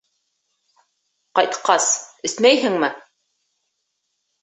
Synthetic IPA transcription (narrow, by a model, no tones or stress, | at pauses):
qɑjt̪qʰɑsɵ̆smæjɦɘ̆ŋmɘ